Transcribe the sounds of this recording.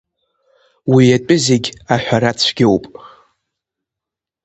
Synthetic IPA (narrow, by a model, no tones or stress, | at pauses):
wijat͡pʼʊzeɡʲaħʷᶣaɾat͡sʷʰɡʲewpʼ